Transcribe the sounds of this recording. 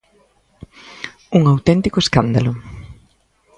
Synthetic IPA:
uŋawt̪ɛnt̪ikoeskand̪alʊ

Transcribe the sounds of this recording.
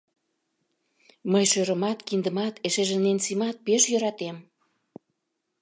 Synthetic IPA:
məjʃøɾə̆mɑt̪kind̪ə̆mɑt̪eʃeʒĕnensimɑt̪̚peʃjøɾɑt̪em

